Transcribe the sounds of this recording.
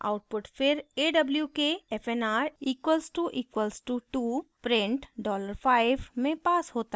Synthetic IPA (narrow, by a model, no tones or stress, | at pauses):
a̰ːʊʈ̚pʊʈfʰɪɾeːɖɐbljukeɛfʰenaːɾiːkwəlsʈuʔiːkwəlzʈuʈuːpɾẽːɳʈɖɔːləɾfʰaːɪʋmẽpaːsɦoːt̪a